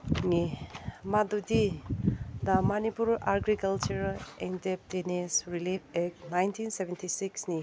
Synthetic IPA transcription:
ŋimad̪udi | d̪ɐmanipuɾaɾɡɾikalt͡ʃuɾendep̚tinesɾilipek̚najntʰinsebʱentʰisiksni

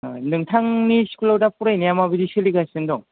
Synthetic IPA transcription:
nɯŋtʰaŋniskʰulawdapuɾajnijamabidisiliɡasɯndɔŋ

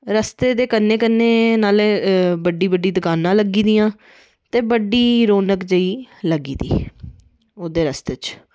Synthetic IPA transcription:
ɾəst̪eːd̪eːkənːeːkənːeːnaːleːbəɖiːbəɖiːd̪əkaːnãːləɡiːd̪iːãː | t̪eːbəɖiːɾoːnəkd͡ʒəiːləɡiːd̪ḭː | oːd̪eːɾəst̪eːt͡ʃ

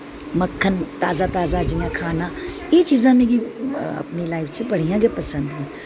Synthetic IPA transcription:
məkʰːənt̪aːzat̪aːzad͡ʒijãkʰaːnajet͡ʃiːzãmẽkiɐ̰pnilaːɪfʰt͡ʃʰepɐɽ̤ijãɡepɐsə̃nd̪mẽ

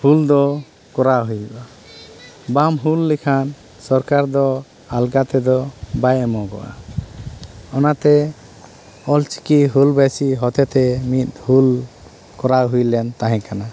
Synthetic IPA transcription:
huld̪ɔ | kɔɾaɦujɛba | bamɦulːɛkʰan | sɔɾkaɾd̪ɔ | alɡat̪ɛd̪ɔbajɛmɔɡɔ̰ʔa̰ | ɔnat̪ɛ | ɔlt͡ʃi̥kiɦulbɛsiɦɔt̪ɛt̪ɛmit̪̚ˀhul | kɔɾaɦujlɛnt̪aɦɛ̃kana

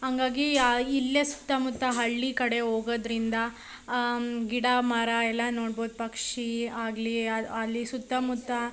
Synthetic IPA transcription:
haŋɡaːɡiilːesu̥t̪ːɐmut̪ːɐɦɐɭːikɐɽe̞ɦoːɡod̪ɾind̪ɐ | ɡiɽamaːɾaɛlːɐnoːɽboːd̪̚pɐkʂiaːɡliɐɐlːisut̪ːɐmut̪ːɐ

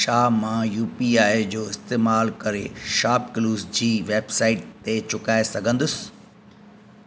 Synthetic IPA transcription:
ʃaːmãjuːpiaːed͡ʑoːɪst̪eːmaːlkɐɾḛʃaːpkluːzd͡ʑiːʋeːbsaːɪʈ̚t̪et͡ɕʊkaːesɐɡʱə̃nd̪ʊsɪ̥

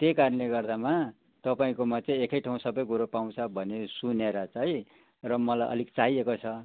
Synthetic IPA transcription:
t̪ekarleɡʌrd̪ama | t̪ʌpaĩkomat͡saĩekʌjʈʰaũsʌbʌjkuɾopaw̃t͡sʰʌbʱʌnesuneɾʌt͡sãĩ | rʌmʌlajʔʌ̰likt͡saɦiekot͡sʰʌ

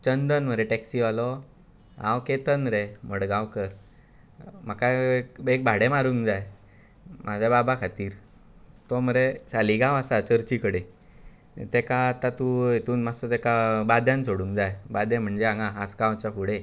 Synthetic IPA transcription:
t͡ɕənd̪ənm̤əɾeʈɛksiʋalɔ | ã̰wket̪ənɾeməɽɡãwkəɾ | m̤əkaekek̚bʱaɽemaɾuːŋkd͡zaj | mʔad͡ʑʱababakʰat̪iːɾ | t̪ɔməɾesaliɡãwasat͡ɕəɾt͡ɕikəɽe | t̪ekaːt̪at̪ujet̪uːnmasɔt̪ekabad̪jãnsoɽũŋkd͡zajbad̪jɛ̃m̤əɳd͡ʑeãŋɡaaskãwt͡ɕafuɽe

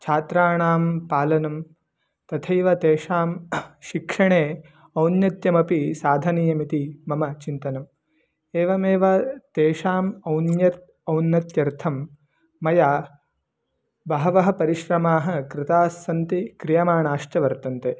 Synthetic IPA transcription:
t͡ʃʰaːt̪ɾaːɳaːmpaːlɐnɐm | t̪ɐt̪ʰɐjʋɐt̪eːʂaːmʃikʂɐɳeː | ɐwnjɐt̪jɐmɐpisaːd̪ʱɐniːjɐmit̪imɐmɐt͡ʃint̪ɐnɐm | eːʋɐmeːʋɐt̪eːʃaːmɐwnjɐt̪̚ | ɐwnjɐt̪jɐɾt̪ʰɐmː | ɐja | bʱɐːɐʋɐɦɐ̆pɐɾiʃɾɐmaːɦɐ̆kɾɪt̪aːsɐnt̪ikɾijɐmaːɳaːʂʈɐʋɐɾt̪ɐnt̪eː

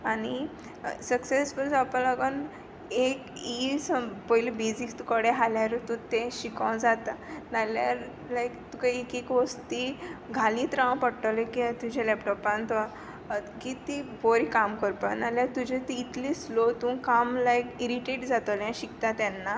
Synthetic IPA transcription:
ani | səksesbəɾt͡sapãlaɡən | ekispojlibed͡zikt̪ukəɽeɦaljaɾut̪ũt̪eɕikãwd͡zat̪analjaɾ | lajkt̪ukaekekʋost̪iɡʱalĩːt̪ɾãw̃pəɽʈəlekit̪ud͡ʑʱelɛpʈɔpãnt̪a | kit̪iboɾikamkəɾpanaljaɾt̪ud͡ʑet̪iːt̪lislot̪ũkamlajkiɾiʈeʈd͡zat̪oljãɕikt̪at̪anːa

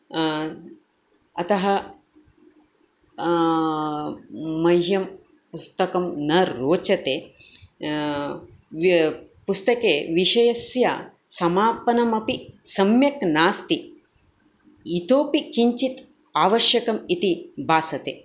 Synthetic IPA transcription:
ɐt̪ɐɦɐ | ɐjɦjɐm | pust̪ɐkɐmnɐɾoːt͡ʃɐt̪eː | pust̪ɐkeːʋiʃɐjɐsja̰ | sɐmaːpɐnɐmɐpisɐmjɐknaːst̪i | it̪oːpikiɲt͡ʃit̪ | aːʋɐʃjɐkɐmit̪ibʱaːsɐt̪eː

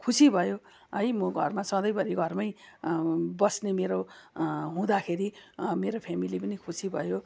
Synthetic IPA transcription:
kʰusibʱʌjo | ʌjmʌɡʱʌrmasʌ̃d̪ʌjbʌɾiɡʱʌrmaj | bʌsnemeɾo | ɦũd̪akʰeɾimeɾopʰemilipʌnikʰusibʱʌjo

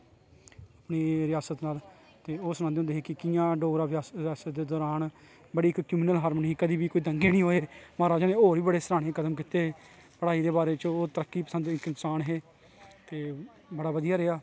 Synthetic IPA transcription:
aːpneːɾɪjaːsət̪naːl | t̪eːoːsnãnd̪eːõːnd̪eːɦeːkɪkɪjãːɖoːɾaːʋɪaːsjaːsət̪̚d̪eːd̪ɔːɾaːn | bəɽiːɪkkɾɪmiːnəlɦaːɾmənːɦiːkəd̪iːbiːkoːiːd̪əŋɡeːnĩːɦoːeːmaːɾaːd͡ʒaːnẽːoːɾiːbəɽeːsəɾaːɽ̃ẽːkəd̪əmkɪt̪eːe | pəɽaːiːd̪eːbaːɾeːt͡ʃoːt̪əɾəkːiːpə̥sə̃nd̪ɪkɪnsaːnɦeː | t̪eː | bəɽaːʋəd̪ijaːɾeːaː

